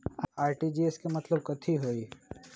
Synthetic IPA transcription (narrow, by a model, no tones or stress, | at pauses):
aːɾʈid͡ʒieskemɐt̪ləb̚kɐt̪ʰiɦoːi